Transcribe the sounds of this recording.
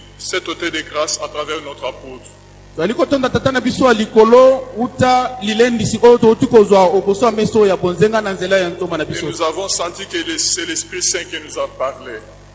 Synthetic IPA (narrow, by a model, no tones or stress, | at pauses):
sɛt̪ot̪ɛd̪eɡʁasat̪ʁavɛʁnɔt̪χapot̪ʁ | tozalikotondatatanabisojalikolowutalilendisiʔojotoutikozwaobosojamɛsojabonzeŋɡananzelajantomanabisouzavɔ̃sɑ̃tikəlsɛlɛspχisɛ̃kenuzapaʁle